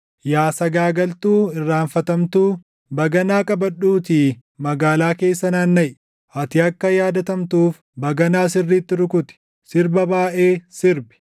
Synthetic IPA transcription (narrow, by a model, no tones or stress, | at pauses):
jaːsɐɡaːɡɐlt̪uːɪrːaːnfɐt̪ɐmt̪uː | bɐɡɐnaːkʼɐbɐᶑːuːt̪i | mɐɡaːlaːke̞ːsːɐnaːnːɐʔ | ɐt̪ɪɐkːɐjaːd̪ɐt̪ɐmt̪uːf | bɐɡɐnaːsɪrːiːt̪ːɪɾʊkʊt̪ɪ̥ | sɪɾbɐbaːʔe̞ːsɪɾbɪ̥